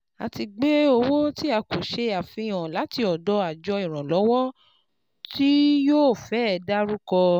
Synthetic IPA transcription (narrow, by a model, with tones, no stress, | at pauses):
a˨ti˧ɡ͡be˦o˧wo˦ti˦a˧˨ko˨ʃe˧a˨fĩ˧˨j̃ã˨la˨˦ti˧ɔ˨dɔ˧˦a˨d͡ʒɔ˧i˨ɾ̃ã˨lɔ˨˦wɔ˦ | ti˦joː˦˨fɛ˨˦˨da˦ɾu˦kɔ˧